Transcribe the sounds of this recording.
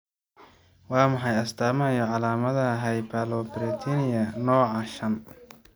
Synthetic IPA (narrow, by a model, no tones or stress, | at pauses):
wɑːmɐħɑjɐst̪ʰaːmɐɐjɔʕɑlaːmɐðɐɦɛjbʰalɔbɪɾɛt̪ʰinɪjɐnɔːʕɑʃɐm